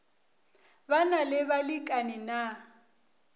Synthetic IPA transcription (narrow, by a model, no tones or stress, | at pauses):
banalɪβalikʼanina